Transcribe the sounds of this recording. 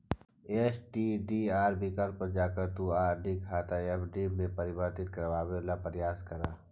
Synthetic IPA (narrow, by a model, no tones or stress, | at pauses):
eːt͡ʃʈiɖiaːɾbiːkaɽpɐɾd͡ʒaːkəɾt̪uaːɾɖikʰaːt̪aepʰɖimẽpɐɾɪbəɾt̪ɪt̪̚kɐɾʋaːbelapəɾjaːskɐɾaː